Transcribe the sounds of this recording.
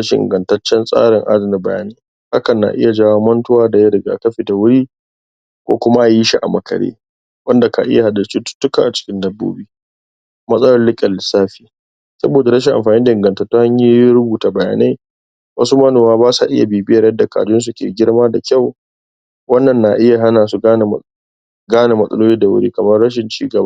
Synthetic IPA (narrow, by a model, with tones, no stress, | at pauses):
ɾɐ˦ʃɪ̰˨ʔɪ̰˨ŋɡɐ˨ntɐ˦t͡ʃːɛ˦nsʼa̰ː˦ɽɪ˨ŋʔa̰˦dɐ˨nɪ˨bɐ˨ja̰ː˦neː˦ | ha˦kɐ˨nːa̰˨ʔɪ̰˦ja˨d͡ʒaː˦waː˦mɐ˦ntʊ˦waː˦da˨ja˦ɽɪ˨ɡa̰ː˨kɐ˦ɸe˨da˨wʊ˦ɽiː˦ | kʷo̰ː˦kʷʊ˦ma˦ʔa˨ji˦ʃi˦˨ʔa̰˨mɐ˨kʰɐ̰˨ɽḛː˦ | wɐ˦nda˨ka̰˨ʔɪ̰˦ja˨ha˨dɐ˨st͡ʃi˦tʊ̥˦tːʊ˦ka̰ː˨ʔa˨t͡ʃɪ̥˦kʲɪ˦ndɐ˦bːo̰ː˦biː˦ | mɐ˦sʼɐ˦lɐ˦rlɪ˦kʲʼɐ˨lːɪ˨saː˦ɸiː˦ | sɐ̰˦boː˨da˨ɾɐ˦ʃ̬ɪ˨ŋʔa̰˨mɸaː˨ni˦da˨ɪ˨ŋɡɐ˨ntɐ˨rtːoː˦ha˦ɲji˦ɾʊ˦buː˨taː˨bɐ˨ja̰ː˨na˦j | wɐ˦su˦mɐ˦noː˨maː˦baː˦sa̰˨ʔɪ˦ja˨beː˨bɪ˦jɐ˨rjɐ˦dːa˨ka̰ː˨dʊ˦ns̬u˨kʲḛː˨ɡʲɪ˦ɽmaː˦da˨kʲa˦˨w | wɐ˦nːɐ˨nːa˨ʔɪ˦ja˨ɦa˦naː˨s̬u˦ɡaː˦n˨ | ɡaː˦na˨mɐ˦sʼɐ̰˦loː˦liː˦da˨wʊ̰˦ɽḭː˦kɐ˨mɐ˦rɽɐ˦ʃ̬ɪ˨nt͡ʃḭː˦ɡɐ˨ba˦